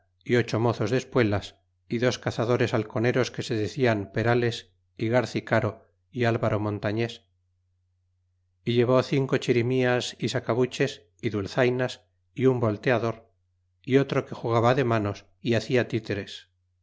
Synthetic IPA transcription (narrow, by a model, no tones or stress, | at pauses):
io̞t͡ʃo̞mo̞θo̞zðespwe̞las | iðo̞skaθaðo̞ɾe̞salko̞ne̞ɾo̞ske̞se̞ðe̞θiampe̞ɾale̞s | iɣaɾθikaɾo̞ | ialβaɾo̞mõ̞nt̪aɲe̞s | iʎe̞β̞o̞θiŋko̞t͡ʃiɾimiasisakaβut͡ʃe̞s | iðulθajnas | iumbo̞lt̪e̞aðo̞ɾ | io̞t̪ɾo̞ke̞xuɣ̞aβaðe̞mano̞s | iaθiat̪it̪e̞ɾe̞s